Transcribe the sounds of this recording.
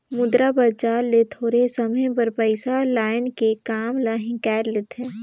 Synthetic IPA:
mʊd̪ɾapɐɾt͡ʃaːlːet̪ʰoːɾesɐməjpɐɾpəɪsalaːɪnkekaːmlaːɦɪ̃kɛːɾlɪt̪eː

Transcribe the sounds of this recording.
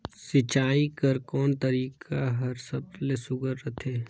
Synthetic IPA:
sɪt͡ʃaːikɐɾkɔːnt̪ɐɾiːkʰaɦɐɾsɐblesʊɡəɾːɐt̪ʰeː

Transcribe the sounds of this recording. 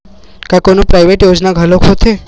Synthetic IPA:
kakonopɾajʋeʈjod͡ʒnaɡʱəlokʰot̪ʰe

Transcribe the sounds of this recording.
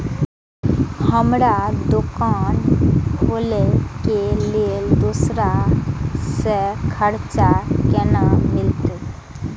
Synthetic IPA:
həmɾad̪ʊkaːn | olekelield̪usɾa | sekʰəɾt͡ʃakenamɪlt̪

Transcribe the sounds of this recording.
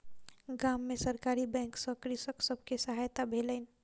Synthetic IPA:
ɡamːesəɾkaɾibɛ̃ŋksəkɾisəksəbʱkesəɦajt̪abʱeləɪn

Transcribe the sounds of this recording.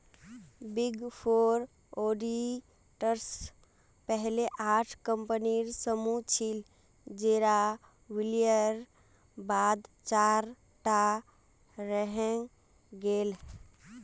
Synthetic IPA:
biɡpʰoɾ | oɖi | ʈəɾs | pəɦleʔaʈʰkəmpəniɾsəmut͡ʃʰil | d͡ʒeɾa | wilijəɾ | bad̪t͡ʃaɾ | ʈa | ɾəɦɛŋ | ɡel

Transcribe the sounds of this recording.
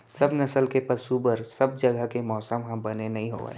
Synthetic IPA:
sɐbnɐsəlkepɐsubəɾsɐb̚d͡ʒɐɡəɦkemɔːsəmɦɐ̃bɐnenɐɦĩɦo̰ːa̰

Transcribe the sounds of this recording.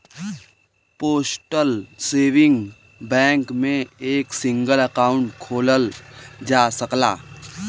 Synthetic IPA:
poːsʈəlseːʋɪ̃ŋɡ | bɛ̃ːŋkmẽeːksɪ̃ŋɡələkaːʊ̃ɳʈkʰoːləld͡ʒaːsəklaː

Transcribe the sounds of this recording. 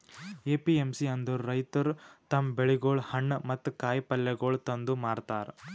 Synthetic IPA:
eːpiemsiɐnd̪uɾɾɐjt̪ɐɾt̪ɐmbeɭiɡoːɭhɐɳːɐmɐt̪ːukaːjpɐlːeɡoːɭt̪ɐnd̪umaːɾt̪aːɾ

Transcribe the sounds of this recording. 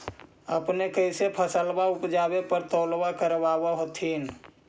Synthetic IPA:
əpnekəɪsepʰəsəlbaupd͡ʒabepəɾt̪ɔlbakəɾbabaɦot̪ʰin

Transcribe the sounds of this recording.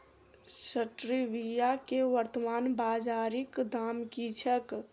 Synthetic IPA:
səʈɾiʋijakeʋəɾt̪əmaːnbad͡ʒaɾikd̪ʱamkit͡ʃʰək

